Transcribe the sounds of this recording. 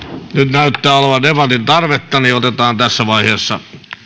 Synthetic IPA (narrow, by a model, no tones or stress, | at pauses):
nyt̪næyt̪ːæːoleʋɑdepɑt̪int̪ɑrʋet̪ːɑniot̪et̪ɑːnt̪æsːæʋɑiheːsːɑ